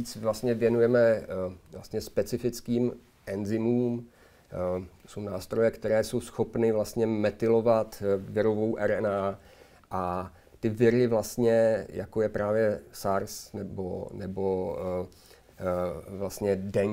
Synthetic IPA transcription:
it͡svlast̪ɲɛvjɛnujɛmɛvla̰st̪ɲɛspɛt͡sɪfɪt͡skiːm | ʔɛnzɪmuːm | sownaːst̪ɾo̞jɛkt̪ɛɾɛːso̞wsxo̞pnɪvlast̪ɲɛmɛt̪ɪlo̞vat̪vɪɾo̞vo̞wʔɛɾɛnaː | ʔa | t̪ɪvɪɾɪvlast̪ɲɛja̰kojɛpɾaːvjɛsaɾsnɛbo̰nɛbo | vlast̪ɲɛdɛɲ

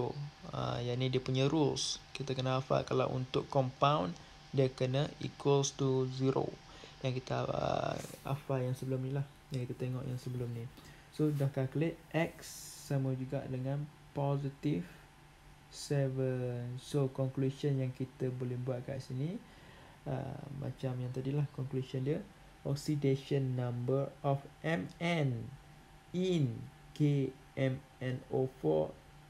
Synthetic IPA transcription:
oə̰jaʔnidiəpuɲəɾulskit̪akənəafa̰ʔkala̰wʔṵnt̪ʊkkːɔmpawn | diəkənəḭkwəlst̪uziɾo̰ | jaŋkit̪aə̰a̰fajaŋsəbəlʊmnilah | jaŋkit̪ət̪eŋɔ̰ʔjaŋsəbəlʊmni | sodahkakleʔʔɛksːaməd͡ʒuɡa̰ʔdəŋãn | pɔzit̪if | sɛvənsokɔŋkluʃənjaŋkit̪əbolɛhbuat̪̚ka̰ʔisini | ə̰mːʔã̰t͡ʃamjaŋt̪adilahkɔŋklusɔndiə | ʔɔksideʃənːãmbəɹɔfʔɛmɛn | in | ke | ɛm | ɛ̃nofɔ̰

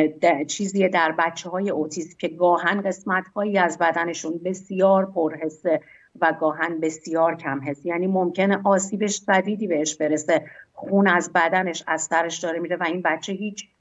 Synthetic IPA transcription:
d̪t͡ʃʰiːziːed̪æɾbætt͡ʃʰːehɒːje̞ʔot̪ʰiːsmcʰe̞ɡɒːɦænɢe̞smæt̪hɒːjiːæzbæd̪æne̞ʃunbe̞sjɒːɾpʰoɾɦe̞sːe | væɡɒːɦænbe̞sijɒːɾcʰæmɦe̞st̪jæːniːmo̞mcʰeneʔɒːsiːbe̞ʃsæd̪iːd̪iːbeeʃbe̞ɾese̞xuːnæzbæd̪æne̞ʃæz̥sæɾe̞ʃd̪ɒːɾemiːɾevæinbætt͡ʃʰːe̞ɦiːt͡ʃʰ

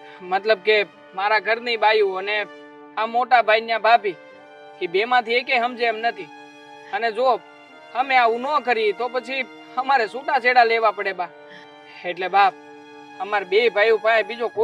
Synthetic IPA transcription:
mət̪ləb̚ke | maɾaɡʱəɾnibajũəne | amoʈabʱainjabʱapi | kibemãt̪ʰiekeɦəmd͡ʒemnət̪ʰi | əned͡ʒo | həmẽaʋunokəɾit̪opət͡ʃʰi | həmaɾɛsuʈat͡ʃeɽaleʋapəɽeba | eʈlebʱa | əmaɾbebʱajũpaẽbid͡ʒoko

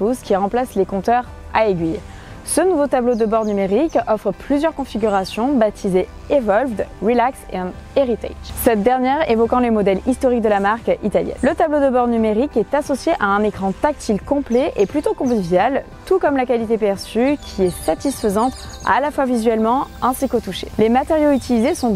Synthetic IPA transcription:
puskʲiʁɑ̃plaslekɔ̃t̪œʁ | aeɡʲɥij | sənuvot̪ablod̪əbɔʁnymeʁikɔfχəplyzjœʁkɔ̃fiɡʲyʁasjɔ̃bat̪ʰize | evɔlvd̪ʁilaksḛɑ̃neʁit̪ɛ̰sɛt̪̚d̪ɛʁnjɛʁevɔkɑ̃lemɔd̪ɛlist̪ɔʁik̚d̪əlamaʁkit̪aljɛ̰nlət̪ablod̪əbɔʁnymeʁikɛt̪asɔsjeʔaɛ̃nekχɑ̃t̪ak̚t̪ʰilkɔ̃plɛʔeplyt̪okɔ̃vivjal | t̪ukɔmlakʲalit̪epɛʁsykʲʰiɛsat̪isfəzɑ̃t̪a̰lafwavizɥɛlmɑ̃ɛ̃sikot̪uʃḛlemat̪eʁjoyt̪ilizesɔ̃

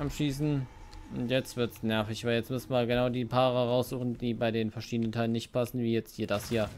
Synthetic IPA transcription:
ʔapʃiːsn̩ | ʔʊntjɛt͡stv̥ɪɐtsnɛɐfɪçvaɪljɛt͡stmʏsn̩vaɡənaʊdiːpʰaːʁəʁaʊsz̥uːχn̩d̥iːbaɪdeːnfɛɐʃiːdənəntʰaɪlənɪçt̚pʰasn̩viːjɛt͡sthiːɐdasjiːɐ

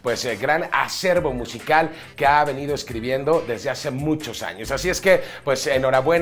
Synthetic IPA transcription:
pwe̞seɡɾana̰se̞ɾβo̞musikal | keaβe̞nið̞o̞eskɾiβje̞nd̪o̞ðe̞zðe̞ase̞mũt͡ʃo̞sa̰ɲo̞sasie̞ske̞pwe̞seno̞ɾaβwe̞n

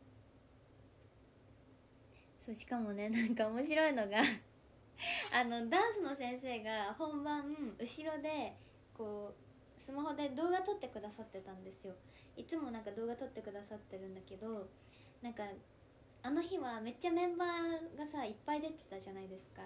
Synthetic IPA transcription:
so̞ːɕi̥kamo̞ne̞nãŋkao̞mo̞ɕ̬iɾo̞ino̞ɡa | ano̞d̪ãɰ̃sɨno̞sẽ̞ɰ̃se̞ːɡahõ̞mbãɯɯ̟ɕiɾo̞d̪e̞ | ko̞ː | sɨmaɦo̞d̪e̞d̪o̞ːɡat̪o̞t̪ːe̞kɯ̟d̪asat̪ːe̞t̪ãnd̪e̞sɨjo̞ | it͡sɨmo̞nãŋkad̪o̞ːɡat̪o̞t̪ːe̞kɯ̟d̪asat̪ːe̞ɾɯ̟̃nd̪ake̞d̪o̞ | nãŋkaː | no̞çiβame̞t͡ɕːamẽ̞mbaːɡasaipːaid̪e̞t̪e̥t̪aʑanaid̪e̞sɨ̥ka

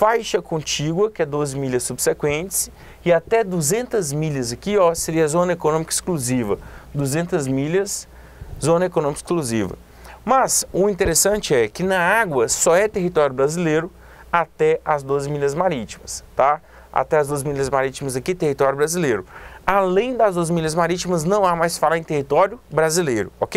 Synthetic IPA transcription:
fajʃɐkõnt͡ʃiɡwɐkɪɛd̪ozɪmiʎɐsːubsekwẽnt͡ʃɪ̥s | ɪat̪ɛd̪uzẽnt̪ɐzmiʎɐzɐkiɔseɾiɐzõnɐekonõmikɐi̥skluzivɐd̪uzẽnt̪ɐzmiʎɐs | zõnɐekonõmikɐɪ̥iskluzivɐ̰ | mɐzʊĩnt̪eɾesɐ̃nt͡ʃɪɛkɪnɐaɡwɐsɔɛt̪eɦit̪ɔɾjʊbɾazilejɾʊ | at̪ɛɐzd̪ozɪmilɐzmaɾit͡ʃimɐst̪a | a̰t̪ɛɐzd̪ozɪmiʎɐzmaɾit͡ʃimɐzɐkit̪ehit̪ɔɾjʊbɾazilejɾʊalẽj̃d̪ɐzd̪ozɪmiʎɐzmaɾit͡ʃimɐznɐ̃w̃amajsfalaẽj̃t̪ehit̪ɔɾjʊbɾazilejɾʊokej

